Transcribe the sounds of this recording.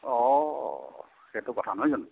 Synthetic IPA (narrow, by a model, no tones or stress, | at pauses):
ɔ | xetʊkɔtʰanɔɦojzɔn